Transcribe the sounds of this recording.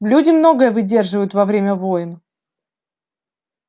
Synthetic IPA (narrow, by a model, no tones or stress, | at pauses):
lʲudʲɪmno̞ɡəjəvɨdʲe̞rʐɨvəjʊt̪vɐvɾʲemʲəvo̞jɪn